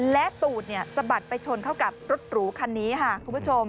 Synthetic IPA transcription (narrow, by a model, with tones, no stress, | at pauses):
lɛ˦˥ʔt̪uː˨˩t̪̚ni˥˩ɐsa˧ba˨˩t̪̚pa˧jt͡ɕʰo˧nkʰa˥˩wka˨˩p̚ɾo˦˥t̪̚ɾuː˩˦kʰa˧nːiː˦˥kʰa˥˩kʰu˧npʰu˦˥t͡ɕʰo˧m